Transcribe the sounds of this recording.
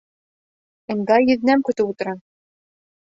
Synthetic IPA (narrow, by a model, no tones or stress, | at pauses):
ɘ̆ŋɡ̪ɑjɵ̆ðnæmkɵ̆t̪ɘput̪ɤ̆ɾɑn